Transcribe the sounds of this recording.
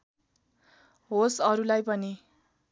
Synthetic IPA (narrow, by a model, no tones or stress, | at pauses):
ɦosʌɾulajpʌni